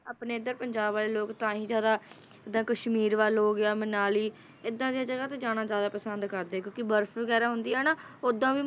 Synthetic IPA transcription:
aːpneːɪd̪əɾpəɲd͡ʒaːbʋaːleːloːkt̪ãːɦĩːd͡ʒjaːd̪aː | ɪd̪ːãːkəʃmiːɾʋaːloːɡɪaːmənaːliː | ɪd̪ːãːd̪ijaːd͡ʒəɡaːt̪eːd͡ʒaːɽ̃aːd͡ʒjaːd̪aːpəsənd̪kəɾd̪eːɛkjõːkɪbəɾfʰʋəɡɛːɾaːɦʊnd̪iːɦɛːnaːʊd̪ːãːʋiː

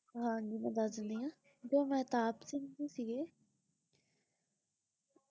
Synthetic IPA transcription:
ɦãːɲd͡ʒimɛ̃ːd̪əsnd̪iːãː | d͡ʒoːmɛ̃ːt̪aːpsɪŋɡd̪iːsiːɡeː

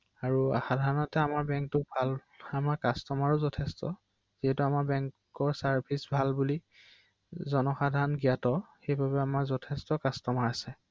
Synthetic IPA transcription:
aɹua̰xadʱaɹɔnɔtɛamaɹbɛŋk̚tʊbʱal | amaɹkastɔmaɹʊzɔtʰɛstɔ | ziɦɛtuamaɹbɛŋkkɔɹsaɹbʰʱisbʱalbuli | zɔnɔxadʱaɹɔnɡijatɔxejbabɛamaɹzɔtʰɛstɔkastɔmaɹasɛ

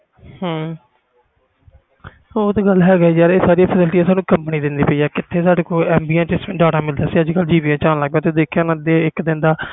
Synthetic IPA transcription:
hãː | oːt̪aːɡəlːɦɛːɡaːiːd͡ʒaːɾeːsaːɾijaːpʰəsɪlʈiːaːsaːnũːkəmpniːd̪ɪnd̪iːpəiːɛːkɪt̪ʰːeːsaːɖeːkoːɛːmbiːãːt͡ʃɪsɖaːʈãːmɪld̪aːsiːəd͡ʒkəld͡ʒiːʋijãːt͡ʃaːnləɡb̪ãːt̪ed̪eːkʰjãːnãːd̪eɪkd̪ɪ̃nd̪aː

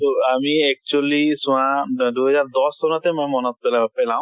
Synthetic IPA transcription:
t̪oamiɛk̚t͡ʃualisũãduɦɛzaɹd̪ɔstɔnɔt̪ɛmɔjmɔnɔt̪̚pɛlapɛlãw̃

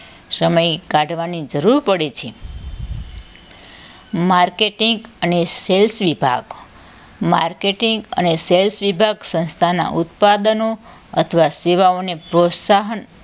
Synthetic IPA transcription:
səməjkaɖʱʋanid͡ʒəɾuɾpəɽet͡ʃʰe | maɾkeʈiŋɡəneselsʋibʱa̰ɡ | maɾkeʈiŋɡə̰neselsʋibʱaɡsə̃nst̪ʰana̰ʔut̪pad̪əno | ə̰t̪ʰəʋaseʋaonepɾot̪saɦən

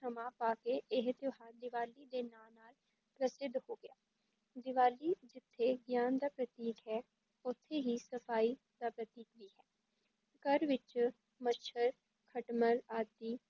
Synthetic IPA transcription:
səmãːpaːkeːɪɦt̪oɦaːd̪ɪʋaːliːd̪eːnaːnaːl | pɾəsɪd̪hoːɡɪjaː | d̪ɪʋaːliːd͡ʒɪt̪ʰːeːɡjaːnd̪aːpɾət̪iːkɦɛː | ʊt̪ʰːeːɦiːsəpʰaːiː | d̪̥aːpɾət̪iːkʋiːɦɛː | kəɾʋɪt͡ʃ | mət͡ʃʰəɾ | kʰəʈməlaːt̪iː

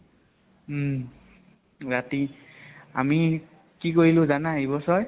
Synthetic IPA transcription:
ɹati | a̰mi | kikoɹilʊ̃zanaɦibɔsɔj

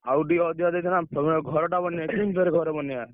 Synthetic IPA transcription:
awɖiɔd̪jad̪et̪ʰɛnapɡʱɔɾɔʈabɔnjakimbʱeɾeɡʱɔɾebɔnija

